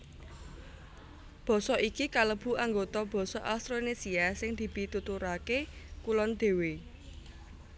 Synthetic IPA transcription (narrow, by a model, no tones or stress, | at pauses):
b̥ɔ̤sɔʔikikaləb̥ṳaŋɡot̪ɔb̥ɔ̤sɔ̰ʔast̪ɾonesiasɪŋd̪̥i̤b̥i̤t̪ut̪uɾakekulɔnd̪̥e̤we